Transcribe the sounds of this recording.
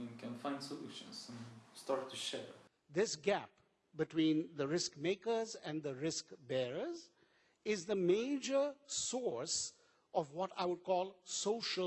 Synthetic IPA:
nkʰə̃nfãɪ̃ndsɔlṵːʃə̰̃nsə̃nstɑɹtʰːuʃɛ̰ɹ | ðɪsɡæp | bɪʈwĩːnðəɾɪskmeɪkəzɛ̃nd̪əɾɪskbɛɾəz | ɪzðəmeɪd͡ʒə˞sɔɹs | ʔɔvwɔʈa̰ɪwʊd̚kɔːlˠsoʃə

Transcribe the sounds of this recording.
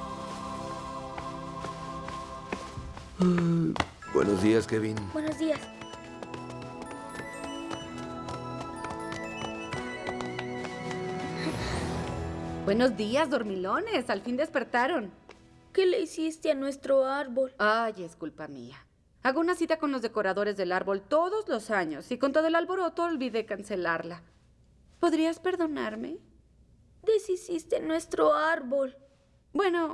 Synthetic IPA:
aj | bwḛnozðiaskeβinobwenozd̪ias | bwe̞no̞zd̪iazðo̞ɾmilo̞ne̞salfind̪e̞spe̞ɾt̪aɾo̞n | keleisist̪eanwest̪ɾoaɾβolajeskulpamḭa | aɣounasit̪ako̞nlozðe̞ko̞ɾaðo̞ɾe̞zðe̞laɾβo̞lt̪o̞ðo̞zlo̞saɲo̞siko̞nt̪o̞ðo̞elalβo̞ɾo̞t̪o̞ːlβiðe̞kanse̞laɾla | po̞ðɾiaspe̞ɾðo̞naɾmḛ | d̪esisist̪enwest̪ɾoaɾβol | bwe̞no̞

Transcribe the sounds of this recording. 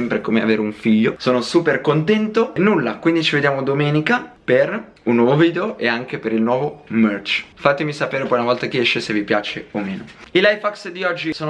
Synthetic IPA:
ɛmpɾekomea̰veːɾeuɱfiʎːosoːnosuːperkont̪ɛnt̪onːulːakwind̪it͡ʃived̪jaːmod̪omɛːnikaper | unːwɔːvoviːd̪eoʔeaŋkepeɾilnwɔːvomørt͡ʃfat̪ːemisapeːɾepɔjunavɔlt̪akeɛʃːesevipjaːt͡ʃeomeːnoilajfaksd̪iɔd͡ʒːisoːno

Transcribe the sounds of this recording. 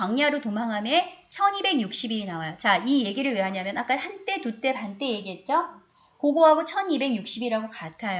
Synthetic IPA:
aŋɲaɾotomaŋɦamet͡ɕʰʌnibe̞ŋɲuk̚ɕ͈ibiɾinawajot͡ɕaije̞ɡiɾɯɭɥiɦaɲamjʌnak͈ahant͈e̞tut͈e̞pant͈e̞je̞ɡiɦe̞t̚t͡ɕ͈o | koɡoɦaɡot͡ɕʰʌnibe̞ŋjuk̚ɕ͈ibiɾaɡokatʰaj

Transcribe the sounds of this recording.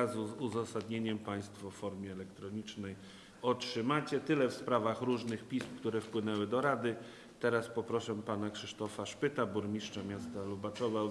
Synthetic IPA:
azuzuzasad̪ɲeɲɛmpaj̃st̪fɔfɔɾmʲjɛɛlɛkt̪ɾɔɲit͡ʂnɛj | ɔtʂɘmat͡ɕɛt̪ɘlɛfspɾavaxɾuʐnɘxpʲispkt̪uɾɛfpwɘnɛwɘd̪ɔɾad̪ɘ | t̪ɛɾaspɔpɾɔʂɛpanakʂɘʂt̪ɔfaʂpɘt̪abuɾmʲiʂt͡ʂamʲjast̪alubat̪sɔvaw

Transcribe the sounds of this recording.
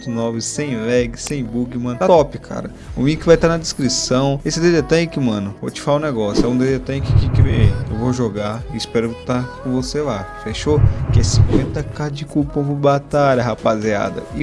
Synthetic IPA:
t̪ʊnɔvɪsẽj̃lɛɡɪsẽj̃buɡɪmɐ̃nʊat̪ɔpɪkʰa̰ɾɐ | ũĩʊkɪvajt̪aɾnɐd̪ɪskɾisɐ̃w̃esɪd̪ed̪et̪ɐ̃j̃kɪmɐ̃nʊvot͡ʃɪ̥falaʊ̃neɡɔsjʊɛũd̪edet̪ɐ̃kɪkikɪveeewvoʒoɡaɪɪspɛɾʊt̪akõvoselafeʃokɪɛsĩkwẽnt̪ɐkad͡ʒɪkupõw̃pʊbat̪aʎɐɦapazia̰d̪ɐ̰ɪ

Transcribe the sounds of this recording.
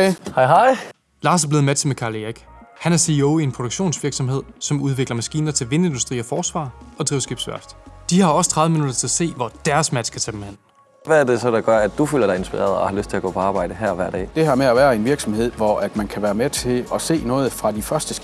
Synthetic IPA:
hɑɪɦɑɪ | lɑ̈ːsæɐble̝ð̩ˠmet͡sʰe̝lmekʰɑ̈ːlieɡ̥ | hænæɐsioʊie̝npʰod̥oɡ̥ɕo̝̰ːnsʋiɐɡ̥sɒ̽mɦe̝ð̰ˠsɒ̽muð̞ˠʋe̝ɡ̥lɐmæsɡ̥iːnɐt͡sʰe̝lʋe̝ne̝nd̥usd̥ʁḭːɒfɒːsʋɑ̰̈ːɒ̽d̥ʁiːʊɐsɡ̥ib̥sʋæɐfd̥d̥ihɑ̈ɒ̽sə̥t͡sʰʁɑ̈ðˠʋəminud̥ɐt͡sʰe̝æse̝̰ːʋɒd̥æɐsmæd̥skʰæt͡sʰæb̥em̩hen̰ | ʋæːɐd̥e̝sɒ̽d̥ɑ̈ɡ̥ɶɐ̰æd̥d̥ufylɐd̥ɑ̈ɪensb̥iʁɛ̰ːɐðˠɒhɑ̈løsd̥̚t͡sʰe̝æɡɔ̰ːpʰɒ̽ɑ̈ːb̥ɑ̈ɪ̰d̥əɦæɐ̰ʋæɐ̰d̥ɛ̰ːd̥e̝ɦɑ̈meæʋæːɐe̝nʋiɐɡ̥sɒ̽mhe̝ð̞̰ˠʋɒæd̥mænkʰæʋæːɐmet͡sʰe̝lɒ̽se̝̰ːnɔ̽ːð̞̩ˠfʁɑ̈d̥ifɶɐsd̥əs

